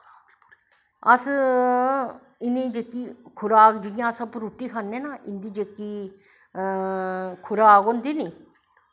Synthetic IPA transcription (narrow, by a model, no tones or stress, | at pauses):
əs | ɪnĩːd͡ʒeːkiːkʰʊɾaːkd͡ʒɪjãːsəbɾuːʈːiːkʰanːeːnaɪnd̪iːd͡ʒeːkiː | kʰʊɾaːkond̪iːniː